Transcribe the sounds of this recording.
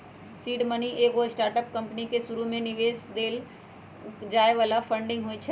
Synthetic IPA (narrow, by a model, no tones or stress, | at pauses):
siːɖməniʔeːɡosʈaːɾʈəp̚kə̃mpnikeʃʊɾumẽnɪʋeːsd̪eːl | d͡ʒaːeʋaːlapʰə̃ɳɖɪ̃ŋɡɦoːit͡ʃʰɛ